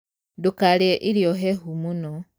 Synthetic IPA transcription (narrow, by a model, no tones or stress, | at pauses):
dukaleʔiɾjoɦeɦumuno